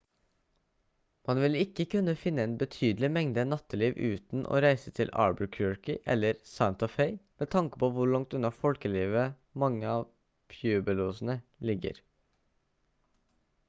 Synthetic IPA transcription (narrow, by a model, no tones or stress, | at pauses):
mɑnʋɪlɪkːəkʰʉnːəfɪnːəɛnbət̪ʰyːd̪l̩ɪmɛŋd̪ənɑt̪ʰːəliːʋʉ̰ːt̪n̩ʔo̰ːɾæɪsət̪ʰɪlʔɑ̰ːɹbəkʰjʊɔɹkɪʔɛ̰lːəɾsɑʊnt̪ɔfeɪmɛːt̪ʰɑŋkə̥pʰoːʋʊɭɑŋt̪ʉnɑfɔlkəliːʋə | mɑŋːəɑːʋ | pʰjʉːbəluːsn̩əlɪɡːə̰ɾ